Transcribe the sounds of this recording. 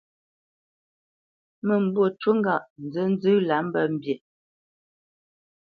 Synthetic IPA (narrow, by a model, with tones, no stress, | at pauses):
mə˨m̩˨bwo˨t͡ʃwə˦ŋɡa˦˨ʔn̩˨d͡zə˦n̩˦zɨ˦la˨˦m̩˦bə˦˨m̩˨bje˨